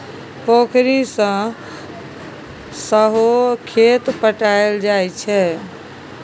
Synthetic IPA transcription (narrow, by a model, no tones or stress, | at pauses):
pokʰɾisə̃ | səɦokʰet̪pəʈaeld͡ʒajt͡ʃʰɛ